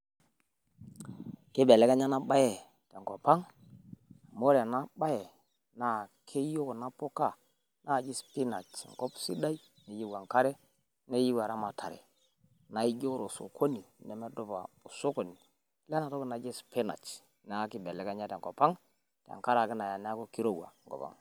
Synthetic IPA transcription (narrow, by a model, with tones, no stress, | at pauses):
ki˦be˨le˨˦ɡa˦ɲa˦na˦ɓa˦je˨ | te˨ŋko˨pa˦ŋ˨ | mo˦ɾe˨na˦ba˦je˨ | na˨kʰe˦jo˦kna˦po˦ka˦˨ | na˦˨d͡ʒi˦spi˦na̰˨t͡ʃŋ˨ko˦psḭ˦da˦i˦ | ne˨ji˦ɡwa˨ŋka˦ɾe˦ | ne˦ji˦wa˨ɾa˦ma˨tʰa̰˨ɾḛ˨ | na˨i˦d͡ʒo˦ɾo˨so̰˨kʰo˦ni˨ne˨me˦do˦ba̰˨o˨so˦ko˨ni˨ | le˦na˨to˦ko˦˨na˨d͡ʒi˦spi˦na̰˨t͡ʃ | n˦a˦ki˦be˨le˨ka˦ɲa˦te˨ŋko˨pa˦ŋ | ta̰˨ŋka˦ɾa˨ki˦na˨ja˨n˦a˦ko˦ki˦ɾo˦˨wa̰˨ŋɡo̰˨pa̰˦ŋ